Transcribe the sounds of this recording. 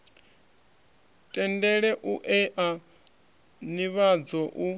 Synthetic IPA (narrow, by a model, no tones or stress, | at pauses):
tʼɛndɛɺɛʔuʔɛʔa | niβad͡zɔʔu